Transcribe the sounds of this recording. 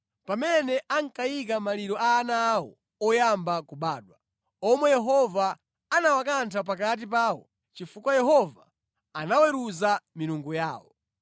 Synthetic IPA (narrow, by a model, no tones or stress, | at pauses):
pamɛnɛʔaŋ̩kajik̬amaliɾɔʔaːnawɔ̰ | ɔjambakuɓaːɗwa | ɔmwɛjɛɦɔvaː | nawakantʰap̬akat̬ip̬aːwɔ̰ | t͡ʃifukwajɛɦɔvaː | nawɛɾuzamiɾuŋɡujaːwɔ̰